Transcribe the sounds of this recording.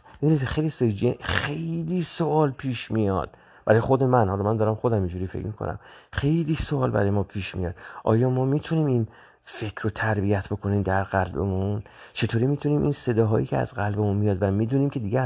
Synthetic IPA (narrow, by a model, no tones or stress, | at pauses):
mid̪uniːt̪xejlisɒd͡ʒieχe̞jliːsoʔɒːlpʰiːʃmijɒ̰ːd̪̥̚ | b̥æɾɒːjexod̪e̞mænhɒlɒmænd̪ɒːɾæmχod̪æmind͡ʒuːɾiːfḛcʰmikʰonʔæ̰mχe̞jliːsoɒːlbæ̰ɾɒːjemɒːpʰiːʃmḭjɒ̰ːd̪̥ʔɒ̰ːjɒːmɒːmiːt̪ʰuniːmin | fe̞kʰɾot̪ʰæɾbijæt̪ʰbo̞kʰo̞niːmd̪æɾɢælbḛmunt͡ʃʰe̞t̪ʰoːɾiːmiːt̪ʰuniːmʔḭnse̞d̪ɒːɦɒːjḭːcʰeæ̰zɢælbe̞munmijɒːd̪væmiːd̪uːniːmcʰe̞d̪iːɡe